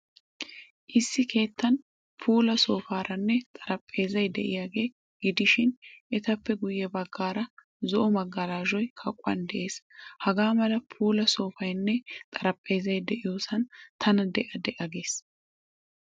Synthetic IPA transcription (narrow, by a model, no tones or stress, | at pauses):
ʔɪsːɪkʰe̞ːt̪ːɐn | pʰuːlɐso̞ːfaːɾɐnːɛt̪ʼɐɾɐpʼːe̞ːzɐjd̪ɛʔɪjaːɡe̞ː | ɡɪd̪ɪʃɪnʔɛt̪ɐpːɛɡʊjːɛbɐɡːaːɾɐ | zɔʔɔmɐɡːɐlaːʒɔjkʰɐkʼːʊɐ̰nd̪ɛʔe̞ːshɐɡaːmɐlɐpʰuːlɐso̞ːfɐjnːɛt̪ʼɐɾɐpʼːe̞ːzɐjd̪ɛʔɪjo̞ːsɐnt̪ʰɐnɐd̪ɛʔɐd̪ɛʔɐɡe̞ːs